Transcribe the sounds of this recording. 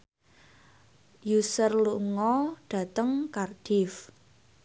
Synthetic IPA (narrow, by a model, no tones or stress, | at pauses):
jusərluŋɔɖ̥a̤t̪əŋkard̥ɪf